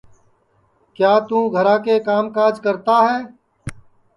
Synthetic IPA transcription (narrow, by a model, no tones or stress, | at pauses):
kjaːt̪ũːɡʱəɾãːkekaːmkaːd͡ʒkəɾt̪aɦɛː